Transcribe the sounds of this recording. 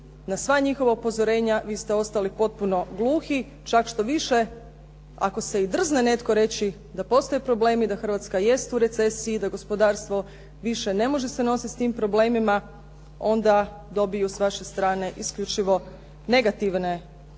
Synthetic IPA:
nasʋaɲixo̞ʋaupo̞zo̞ɾe̞ːɲaʋiːst̪eo̞st̪alipo̞t̪̚puno̞ɡlˠuːxi | t͡ʃakʃt̪o̞ʋiʃe̞ | a̰ko̞se̞id̪r̩znene̞t̪ko̞ɾe̞t͡ɕi | d̪apo̞st̪o̞jepɾo̞ble̞ːmid̪axr̩ʋaːt̪skaje̞st̪uɾe̞t̪se̞siːd̪aɡo̞spo̞d̪aːɾst̪ʋo̞ | ʋiʃe̞ne̞mo̞ʒese̞no̞sit̪st̪iːmpɾo̞ble̞ːmima | o̞nd̪a | d̪o̞bijusʋaʃe̞st̪ɾaːne̞ʔiskʎut͡ʃiʋo̞ | ne̞ɡat̪iʋne̞

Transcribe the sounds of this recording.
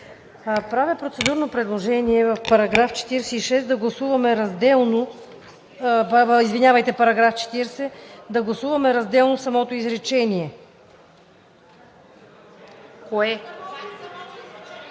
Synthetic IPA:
pɾavʲɐpɾot̪sɛd̪uɾnopɾɛd̪lˠoʒɛniɛvɐfpɐɾɐɡɾaft͡ʃɛ̥t̪iɾsɛiʃɛsd̪ɐɡlˠɐsuvɐmɛɾɐzd̪ɛlˠno | izvinʲavəjt̪ɛpɐɾɐɡɾaft͡ʃɛ̥t̪iɾsɛd̪ɐɡlˠɐsuvɐmɛɾɐzd̪ɛlˠnofsɐmɔt̪oizɾɛt͡ʃɛniɛ | koɛ

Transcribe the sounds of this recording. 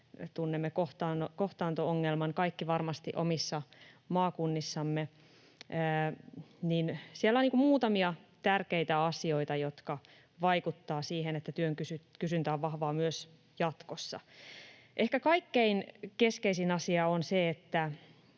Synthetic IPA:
t̪unːemːekoht̪ɑːnːokoht̪ɑːnt̪ooŋːelmɑnkɑikːiʋɑrmɑst̪iʔo̰misːɑmɑːkunːisːɑmːeː | ninsielːæoniːkumuːt̪ɑmiɑt̪ærkeit̪æɑsio̞it̪ɑjot̪kɑ | ʋɑikut̪ːɑːsiːɦenet̪ːæt̪yøŋkysykysynt̪æoʋʋɑhʋɑːmyøs | jɑt̪kosːɑ̰ | ʔehkækɑikːeinkeskeisinɑsiɑonseet̪ːæ

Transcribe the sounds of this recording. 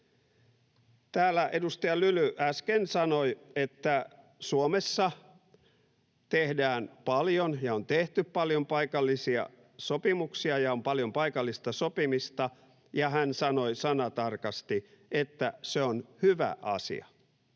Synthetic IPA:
t̪æːlːˑæʔedust̪ɑjɑlylyʔæskensɑnoiet̪ːæ | suomesːɑ | t̪ehdæːnpɑljonjɑont̪eht̪yppɑljompɑikɑlːisiɑ̰ | sopimuksiɑjɑompɑljompɑikɑlːist̪ɑsopimist̪ɑ | jɑhænsɑnoisɑnɑt̪ɑrkɑst̪i | et̪ːæseonhyʋæ̰ʔɑ̰sḭɑ̰

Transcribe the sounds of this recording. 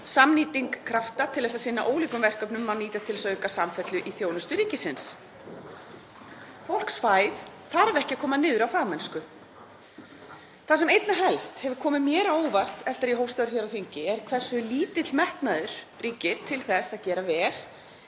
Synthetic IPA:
samniːt̪iŋkkʰːɾaft̪at̪ʰɪlðɛs̬aðsɪnːaʔoːwliːkʏmvɛr̥kœpnʏmːaniːt̪at̪ɪlɛsaœɥkasamfɛt̪lʏʔiθjoːwnʏst̪ʏɾiːcɪsɪns | fowl̥ksfaːjðθaɾavɛhcɪakʰɔːmaðnɪːðʏɾawfaːɣmɛnskʏ | θasɛmejt̪naɦɛlst̪hɛvʏɾkʰɔːmɪmjɛːɾaoːwvar̥t̪ɛft̪aɾiɦoːwfst̪aðɾʏ̥çɛɾawθiɲcɪɛɾkʰvɛr̥sʏliːt̪ɪt̪lmɛht̪naðʏɾ̥ | riːcɪɾ̥t̪ʰɪlθɛsaðcɛːɾavɛːɾ̥

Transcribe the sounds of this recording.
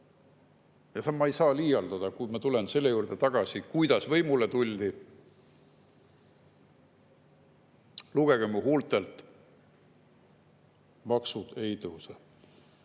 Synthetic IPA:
jɑt̪ɑmːɑejsɑːliːjɑld̪̥ɑd̪̥ɑkujmɑt̪ule̞nse̞lːe̞juːrd̪̥e̞t̪ɑɡ̥ɑsikujd̪̥ɑsvɤjmulet̪ulʲd̪i | luɡ̥e̞ɡ̥emːuɦuːlt̪ˑe̞lt̪ˑ | mɑksud̪̥e̞jt̪ɤwse

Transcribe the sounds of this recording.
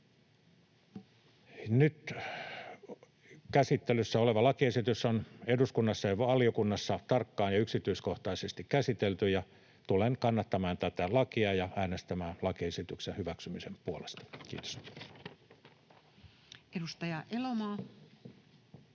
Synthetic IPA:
nyt̪ | kæsit̪ːelysːæoleʋɑlɑkiesit̪ysoneduskunːɑsːɑjɑʋɑliokunːɑsːɑt̪ɑrkːɑːnjɑyksit̪yiskoht̪ɑisest̪ikkæsit̪elt̪yjɑ | t̪ulenkɑnːɑt̪ːɑmɑːnt̪æt̪ælɑkiɑjɑæːnest̪æmæːnlɑkiesit̪yksehyʋæksymisempuolest̪ɑ̥kḭːt̪o̥s | edust̪ɑjɑʔelomɑː

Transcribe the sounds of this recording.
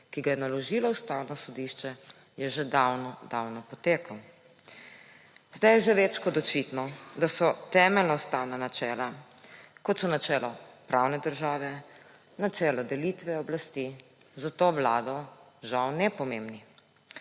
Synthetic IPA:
kiɡajɛnalɔʒilaust̪awnɔsɔd̪iʃt͡ʃɛ | jɛʒed̪awnɔd̪awnɔpɔt̪eːkɔ | zd̪ajɛʒɛʋet͡ʃkɔd̪ɔt͡ʃit̪nɔd̪asɔt̪ɛːmɛlnɔust̪aːwnanat͡ʃɛːla | kɔt̪sɔnat͡ʃɛːlɔpɾawnɛd̪əɾʒaːʋɛ | nat͡ʃɛːlɔd̪ɛlit̪ʋɛɔblast̪i | zat̪oʋlaːd̪ɔ | ʒawnɛpɔmeːmbni

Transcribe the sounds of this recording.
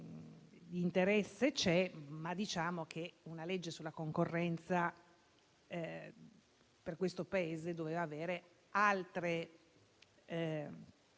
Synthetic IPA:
d̪int̪eɾɛsːet͡ʃɛmad̪it͡ʃaːmokʰeunaled͡ʒːesulːakoŋkorːɛnt̪sa | perkwest̪opaeːzed̪oveːvaːveːɾe | alt̪ɾe

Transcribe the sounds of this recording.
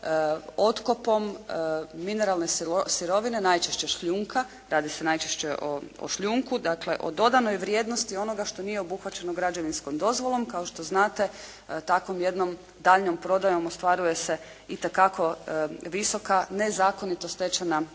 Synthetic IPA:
o̞t̪kopo̞mː | ine̞ɾalˠne̞ssiɾo̞ʋine̞najt͡ʃeʃt͡ɕe̞ʃʎuːŋka | ɾaːd̪ise̞najt͡ʃeʃt͡ɕeʔo̰o̰ʃʎuŋkud̪akle̞ʔo̞̰d̪o̞d̪ano̞jʋɾje̞ːd̪no̞st̪io̞no̞ɡaʃt̪o̞nijeo̞buxʋat͡ɕe̞noɡɾad͡ʒo̞ʋinsko̞md̪o̞zʋo̞lˠomkao̞ʃt̪o̞znaːt̪e̞ | t̪akʋo̞mje̞d̪no̞m | d̪aːʎno̞mpɾo̞d̪ajo̞most̪ʋaɾuje̞se̞ | it̪ekako̞ʋiso̞kane̞zaːko̞nit̪ost̪et͡ɕana

